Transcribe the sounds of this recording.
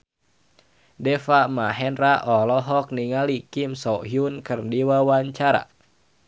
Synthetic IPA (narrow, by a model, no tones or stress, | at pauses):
dɛfamaɦɛnraʔɔlɔɦɔk̚niŋalikimsɔɦiunkɨrdiwawaɲt͡ʃaɾa̰